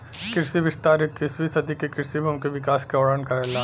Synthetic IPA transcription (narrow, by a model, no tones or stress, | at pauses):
kɪɾsiʋɪst̪aːɾekːisʋisɐd̪ikekɪɾsibɐmkeʋɪkaːskeɔːɽənkɐɾeːlaː